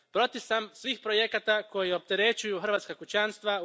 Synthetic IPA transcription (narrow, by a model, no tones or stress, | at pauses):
pɾo̞t̪isamsʋiːxpɾo̞jekat̪ako̞jio̞p̚t̪e̞ɾe̞t͡ɕujuxr̩ʋat̪skakut͡ɕanst̪ʋa